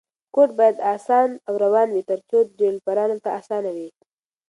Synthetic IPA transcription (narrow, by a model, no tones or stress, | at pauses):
koʈ̚bɑjad̪ɑsɑnawɾawɑnwit̪əɾt͡ʃot̪̚d͡ʒelpaɾɑnalt̪aːsɑːnawi